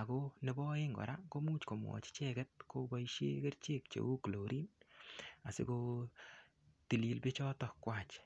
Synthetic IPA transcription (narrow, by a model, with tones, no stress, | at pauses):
a˨ko˦ne˦bɔ˦e˦ŋɡɔ̰˨ɾa˦ko˦mu˦t͡ʃko˨mwɔ̰˨t͡ʃi̥˦t͡ʃɛ˦kɛ˦t̚ko˦bɔ˦iʃḛ˦ke˦ɾt͡ʃe˦k̚t͡ʃḛ˨u˦klo˨ɾʔi˦n | a˨sɪ̰˦ko˧ | ti˨li˧lbe˦t͡ʃɔ˦tɔ˨kːwa˦t͡ʃ